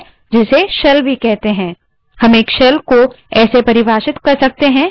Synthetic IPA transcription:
d͡ʒɪseʃɐlbʱikɛɦt̪eɦɛ̃ː | hɐmeːkʃɐlko | ɛːsepɐɾɪbʱaːʃɪt̪kɐɾsɐk̚t̪eɦɛ̃ː

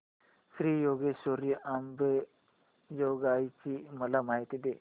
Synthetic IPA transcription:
sɾiːjoɡesoɾjʔambe | joɡajt͡ɕiːməlamaɦit̪id̪e

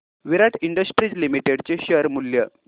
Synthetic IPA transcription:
ʋiɾaʈiɳɖəsʈɾid͡zlimiʈeɽt͡ɕeɕəɾmuljə

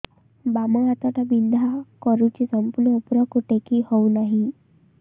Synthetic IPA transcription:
baməat̪aʈ̪abind̪ʱakəɾut͡ɕisəmpuɾupɾəkuʈekiːhounaɦi

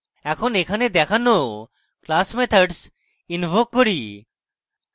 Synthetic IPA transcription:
ɛkʰonekʰaned̪ɛkʰano | klasmet̪ʰaɾɖs | inbʱokːoɾi

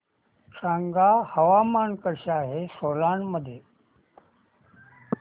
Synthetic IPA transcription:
ʂʰãːŋɡaːhəʋaːmaːnkəɾɕaːɦesoːlaːnməd̪ʱje

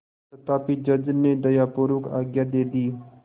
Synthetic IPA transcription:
ɐt̪aːpiːd͡ʒəd͡ʒned̪əjaːpoɾuka̰ːɡjaːd̪eːd̪iː

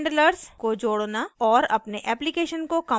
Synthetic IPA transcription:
ɳɖləɾskod͡ʒoːɽnaɔːɾɐpneʔɛːplikeːʃənkokɐ

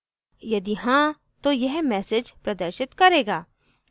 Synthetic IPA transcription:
jɐd̪iɦãː | t̪ojɛɦmɛːsɪd͡ʒpɾɐd̪əɾʃɪt̪kɐɾeːɡaː

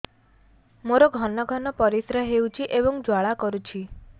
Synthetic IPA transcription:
moɾoɡʱɔnɔɡʱɔnɔpɔɾisɾɔɦewt͡ʃʰiʔebɔŋd͡ʒwaɭakɔɾut͡ʃʰi

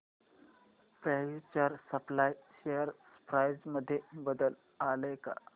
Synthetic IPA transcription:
pɛut͡ɕaɾsəplajɕejəɾspɾajd͡zməd̪ʱːjebəd̪əl | aləka̰

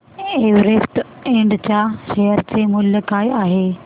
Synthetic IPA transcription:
eːʋɾesʈẽɳɖt͡ɕaʃeɦəɾt͡ɕemʊlːəkaːjaːɦeː

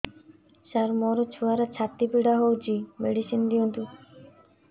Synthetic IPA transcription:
ʃaɾmɔɾot͡ɕʰuaɾat͡ɕʰat̪ːipiɽaɦowd͡ʑimeɖiʃind̪iont̪u

